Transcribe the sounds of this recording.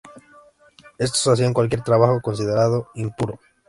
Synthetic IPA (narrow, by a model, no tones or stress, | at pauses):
e̞s̬t̪osas̬iaŋkwalk̬je̞ɾt̪ɾaβaxokons̬ið̞eɾaðo̞impuɾo